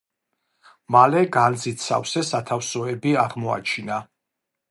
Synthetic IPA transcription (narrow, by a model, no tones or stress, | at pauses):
malɛɡald̪zit̪sa̰fsɛsat̪ʰafsɔɛbiaʁmɔa̰t͡ʃʰina